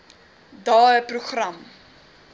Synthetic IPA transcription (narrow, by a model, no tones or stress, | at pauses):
dɑːəpruχrɐm